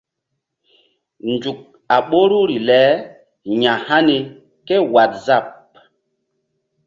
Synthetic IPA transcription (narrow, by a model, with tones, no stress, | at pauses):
nd͡ʒu˨k̚ | a˨ɓo˦ɾu˦ɾi˨lɛ˨˦ | ɲa˨ha˦ni˨ | ke˦wa˨t̚za˦˨p̚